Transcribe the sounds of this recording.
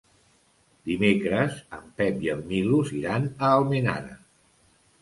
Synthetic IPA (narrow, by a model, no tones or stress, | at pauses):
d̪imekɾəzəmpɛpjəmmiluziɾanəːlˠmena̰ɾə̰